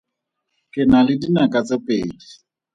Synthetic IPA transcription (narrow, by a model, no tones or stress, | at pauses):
kʼɪnalɪdinakʼat͡sʼɪpʼeːdi